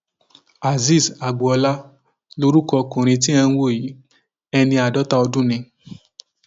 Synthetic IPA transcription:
a˨zi˦˨sa˨ɡ͡bo˨ɔ˧la˦ | lo˧ɾu˦kɔ˧kũ˨ɾ̃ĩ˧t̬ĩ˦ɛ̃˧ñ˦wo˦˨ji˨˦ | ɛ˧nĩ˧a˨dɔ˨˦ta˦˧ɔ˧dũ˦˨nĩ˧

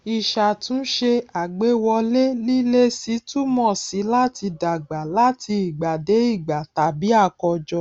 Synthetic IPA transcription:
i˧˨ʃa˧˨tũ˨˦ʃe˧a˨ɡ͡be˨˦wɔ˧le˦li˦le˦si˨˦tu˦mɔ̃˦˨si˨˦la˦ti˧da˨ɡ͡ba˨la˦ti˧i˨ɡ͡ba˨de˨˦i˦˨ɡ͡ba˨ta˨bi˨˦a˦˨kɔ˧d͡ʒɔ˧

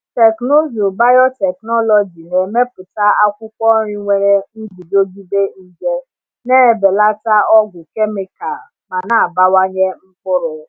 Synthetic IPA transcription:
te˨kno˦zo˨ba˦jɔ˦tɛ˨knɔ˦lɔ˨d͡ʒi˨ne˨me˦pʊ˨ta˦a˦kʷʊ˦kʷɔ˦ɾi˦ŋʷe˨ɾe˦n̩˦bi˨d͡ʒo˦ɡi˦be˦n̩˦d͡ʒe˦ | ne˦˨be˨la˦ta˦ɔ˦ɡʷʊ˨ke˦me˦ka˨ | ma˨na˨a˨ba˦wa˦ɲe˦ŋ͡m̩˦kʊ˦ɾʊ˨

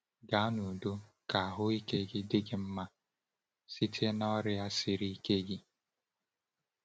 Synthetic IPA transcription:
ɡa˨˦nu˨do˦ | ka˨ɦʊ˦i˦ke˦ɡɪ˦dɪ˦ɡɪ˦m̩˦ma˦ | si˦tʰe˦na˦ɔ˦ɾɪ˦a˦sɪ˨ɾi˦i˦ke˦ɡɪ˦

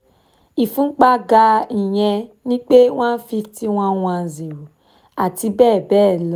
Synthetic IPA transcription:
i˨fũ˦k͡pa˧ɡa˧i˨j̃ɛ̃˧nĩ˦k͡pe˦w̃ã˦n̩˦fi˧ti˦w̃ã˦w̃ã˧˨ze˨ɾu˨ | a˨ti˧bɛː˦˨bɛː˦˨lɔ˨˦

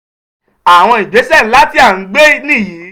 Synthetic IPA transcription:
a˨w̃ɔ̃˧i˨d͡ʒe˨˦sɛ˦˨n̩˨˦la˦ti˦a˦˨ŋ̩˨˦ɡ͡be˦nĩ˦˨jĩ˨˦

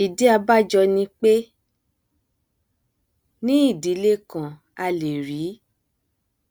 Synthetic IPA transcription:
i˨di˨˦a˧ba˦˨d͡ʒɔ˧nĩ˧k͡pe˦ | nĩ˦i˦˨di˨˦le˦kã˨ | a˧le˨ɾi˨˦

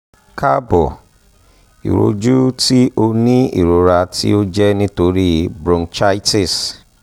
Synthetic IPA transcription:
ka˦bɔ˨ | ḭ˨ɾo̰˧˦d͡ʒu˦ti˦o˧nĩ˦ḭ˦˨ɾo˨ɾa˧tḭ˦o˦d͡ʒɛ˦nĩ˦to˧ɾi˦bɾõ˧nt͡ʃa˦i˦ti˦˨s

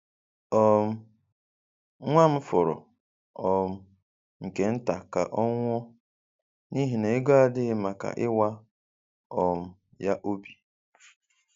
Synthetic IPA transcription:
ɔ˨m̩˦ | ŋʷa˦m̩˦fʊ˨ɾɔ̰˨ | ɔ˨m̩˦ | ŋ̩˨ke˨n̩˦ta˨ka̰˨ʔɔ˦ŋʷ˦ɔ˦ | ni˦ɦi˨ne˨˦ɡɔ˦a˨dɪ˦ɣɪ˦ma˨ka̰˨ʔɪ˦wa˦ | ɔ˨m̩˦ | ja˦ʔo˦bi˨

